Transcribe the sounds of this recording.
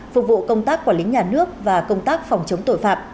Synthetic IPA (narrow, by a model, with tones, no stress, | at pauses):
fʊ˨˩k͡p̚vṵ˧˨kə˧wŋ͡mt̪aː˦˥kːu˧˩əlï˨˦ŋ̟ɲaː˨˩nɨ˦˥ək̚vaː˨˩kə˧wŋ͡mt̪aː˦˥k̚fɔ˨˩wŋ͡mt͡ɕə˨˦wŋ͡mt̪o̰˧˨jfaː˧˩p̚